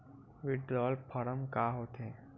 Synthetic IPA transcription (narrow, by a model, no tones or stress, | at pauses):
ʋɪɖɾɔːlpʰəɾəmkaːɦoːt̪eː